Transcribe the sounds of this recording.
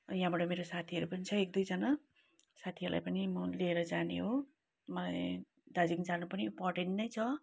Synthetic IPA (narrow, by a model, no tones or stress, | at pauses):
jaɦãbaʈʌmeɾosat̪ʰiʌɾupʌnit͡sʰʌek̚d̪ujd͡zʌna | sat̪ʰiʌɾula̰jpʌnimʌlieɾʌd͡zanḛɦo | mʌlaj | d̪ad͡ziŋd͡zanupʌniimporʈeɳʈnʌjt͡sʰʌ